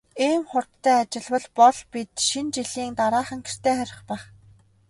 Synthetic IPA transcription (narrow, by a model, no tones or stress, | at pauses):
iːmχʊr̥t̪ʰːæːat͡ɕɪ̆ɮwə̆ɮpɔɮpit̪ʃint͡ɕiɮiːŋt̪aɾaːχə̆ŋkʰe̥r̥t̪ʰeːχœɾʲɪ̆χpæːχ